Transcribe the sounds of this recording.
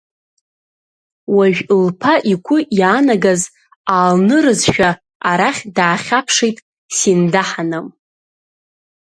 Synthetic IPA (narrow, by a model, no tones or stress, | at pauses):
waʒᶣlpʰaʔikʷʰʊjaːnaɡaz | aːlnɨɾɨzʃᶣa | aɾaχʲdaːχʲapʰʂejtʼ | sindaħanɨm